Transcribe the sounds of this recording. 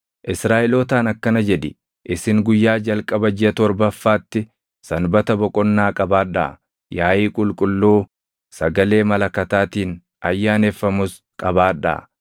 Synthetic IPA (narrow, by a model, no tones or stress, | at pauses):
ʔɪsɾaːʔɛloːt̪aːnɐkːɐnɐd͡ʒɛd̪ɪ | ʔɪsɪŋɡʊjːaːd͡ʒɐlkʼɐbɐd͡ʒɪɐt̪ɔɾbɐfːaːt̪ːɪ | sɐnbɐt̪ɐbɔkʼɔnːaːkʼɐbaːᶑa̰ | jaːʔiːkʼʊlkʼʊlːoː | sɐɡɐle̞ːmɐlɐkːɐt̪aːt̪iːn | ɐjːaːnefːɐmʊs | kʼɐbaːᶑa̰